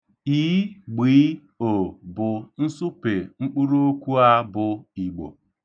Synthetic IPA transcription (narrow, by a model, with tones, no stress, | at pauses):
iː˨˦ɡ͡biː˨˦ | o˨bʊ˨n̩˦sʊ˦pe˨ŋ͡m̩˦k͡pu˦ɾo˦kʷu˦a˦bʊ˨i˨ɡ͡bo̰˨